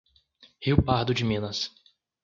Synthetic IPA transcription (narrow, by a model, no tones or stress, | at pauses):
hiwpaɾd̪ʊd͡ʒɪmĩnɐs